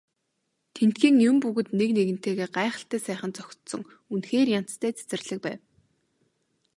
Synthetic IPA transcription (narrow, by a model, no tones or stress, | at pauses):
t̪ʰen̥t̪xiːŋjʊmpuɣɵ̆t̪nekneɣɘ̆n̥t̪eːɣeːɢaːχə̆ɬt̪æːsæːχə̆nt͡sɔxʲt̪sɞ̆ŋ | unxeːrjam̥t̪ʰæːt͡sʰe̥t͡sɘ̆rɮɘ̆k̚pæːw